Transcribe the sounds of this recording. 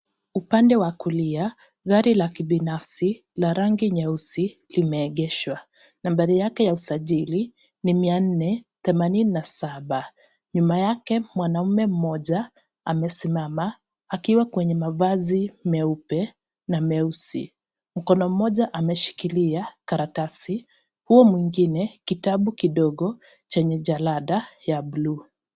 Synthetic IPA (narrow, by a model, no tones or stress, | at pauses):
upandɛwakulia | ɣaɾilakiɓinafsi | laɾaŋɡiɲɛusi | limɛːɠɛʃwa | nambaɾijakɛjausaʄili | nimian̩nɛθɛmanininasaɓa | ɲumajakɛmwanam̩mɛm̩mɔʄa | amɛsimama | akiwakwɛɲɛmavazimɛupɛ | namɛusḭ | m̩kɔnɔm̩mɔʄaʔamɛʃi̥kiliakaɾatasi | huɔmwiŋɡinɛkitaɓukiɗɔɠɔ | t͡ʃɛɲɛʄalaɗajaɓlu